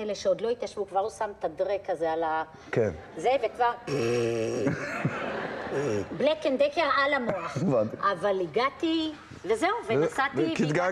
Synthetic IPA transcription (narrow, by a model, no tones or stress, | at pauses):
eleʃeod̪lo̞it̪jaʃvukvaʁusamt̪ad̪ʁekazeala | kenzevekvaʁ | blekend̪ekeʁalamoaχevant̪iavaliɡat̪i | vezeuvenasatikit̪ɡa